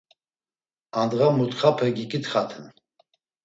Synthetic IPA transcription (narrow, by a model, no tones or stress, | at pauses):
and̪ʁamut̪χapʰɛɡikʼit̪χat̪ʰən